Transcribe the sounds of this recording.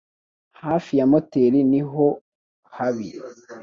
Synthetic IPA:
haːfijamo̞teɾiniɦo | haβi

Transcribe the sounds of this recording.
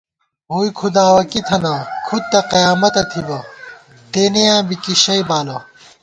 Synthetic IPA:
ɦuːjkʰud̪aːwɐkit̪ʰɐnɐkʰud̪̚t̪ɐqɐjaːmɐt̪ɐt̪ʰibɐ | t̪eːnejãːbikiɕɐjbaːlɐ

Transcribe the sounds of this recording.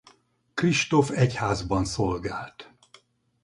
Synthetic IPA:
kriʃt̪o̞fɛchaːzbɒnsolɡaːlt̪

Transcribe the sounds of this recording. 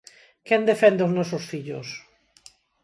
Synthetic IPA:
kɛnd̪efɛnd̪eoznɔsosfiʎo̰s

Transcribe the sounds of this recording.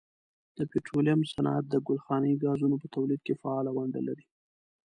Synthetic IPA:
d̪̥əpeʈɾolijamsanɑ̰a̰t̪̚d̪əɡʊlxɑnəiɡɑzunopət̪awlid̪̚kefaɑlawaɳɖa̰laɾi

